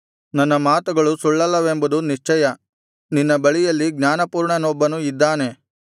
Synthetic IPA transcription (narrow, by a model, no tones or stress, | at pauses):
nɐnːɐmaːt̪uɡɐɭusuɭːɐlːɐʋembud̪uniʂt͡ʃɛjɐ | ninːɐbɐɭijɐlːiɡɲaːnɐpuːɾɳɐnɔbːɐnuid̪ːaːne̞